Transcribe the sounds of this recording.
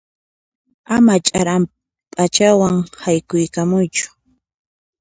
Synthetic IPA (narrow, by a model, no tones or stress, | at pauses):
amat͡ʃʼaɾam | pʼat͡ʃawaŋhajkʊjkamʊjt͡ʃʊ̥